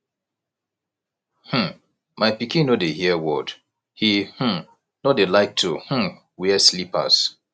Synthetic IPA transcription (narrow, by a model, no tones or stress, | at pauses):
hm̩ | maɪpikĩnodehiɛwɔd̥ | hih̩ | nodelaɪk̚tʰuhm̩̃ | wiɛslipa̰s